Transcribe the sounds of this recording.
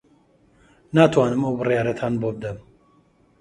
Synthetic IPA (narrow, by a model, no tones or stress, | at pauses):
naːt̪ʰwaːnɨmɐwbɨrijaːɾɐt̪ʰaːnbobɨd̪ɐm